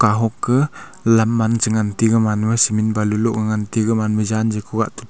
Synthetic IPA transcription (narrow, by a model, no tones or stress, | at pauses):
kaɦɔkːə | lamːant͡ʃəŋant̪iɡəmanwəsiminbaluluʔkəŋant̪iɡəmanməd͡ʒand͡ʒəkʰuɡaʔt̪u̥